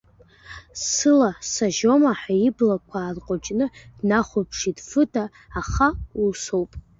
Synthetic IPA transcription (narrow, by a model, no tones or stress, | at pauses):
sɨlasaʒo̞maħaiblakʷʰaːrqʷʼot͡ʃʼnɨd̥naχʷopʰʂidfɨtʰʼaː | χauso̞wpʼ